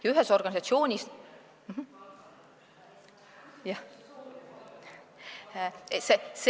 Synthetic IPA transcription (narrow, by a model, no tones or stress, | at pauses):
jɑyɦeso̞rɡ̥ɑnʲisɑt̪sio̞ːnʲis | m̩ɦ̩ | jɑ | ses